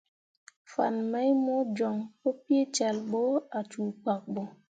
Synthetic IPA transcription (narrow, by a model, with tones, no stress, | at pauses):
fa̰˨nma˦jmo˦d͡ʒo˨ŋpo˦pi˦e˦t͡ʃa˨lɓo˦a˨t͡ʃu˨k͡pa˨k̚ɓo˨